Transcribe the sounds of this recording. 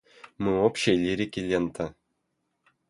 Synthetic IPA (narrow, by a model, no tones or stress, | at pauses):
mɨopɕelʲiɾʲikʲilʲːent̪ă